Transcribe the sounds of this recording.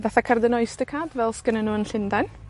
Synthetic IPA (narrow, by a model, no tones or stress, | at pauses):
vɛθakʰərdənɔɨsd̥əkʰaːdvɛlˠskənənuːənɬɪndan